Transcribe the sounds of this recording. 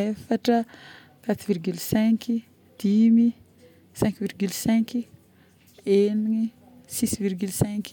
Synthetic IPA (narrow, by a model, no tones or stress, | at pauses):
efaʈ͡ʂə | kat̪virɡylsɛ̃ŋki | d̪̥imi | sɛ̃ŋkvirɡylsɛ̃ŋki | eniŋi | sisvirɡylsɛ̃ŋk